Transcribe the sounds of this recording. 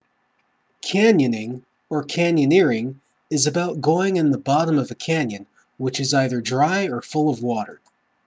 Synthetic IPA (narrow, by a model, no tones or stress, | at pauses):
kʰæ̃njɨ̃nɪ̃ŋ | ə˞kʰæ̃njɨnɪɹɪ̃ŋ | ɨzɨbaʊt̚ɡ̥oʊɪ̃ŋɨ̃nðəbɑɾə̃mʌvɨkʰæ̃njɨ̃n | wɨt͡ʃɨzaɪðə˞dɹaɪə˞fʊlˠʌvwɔɾə˞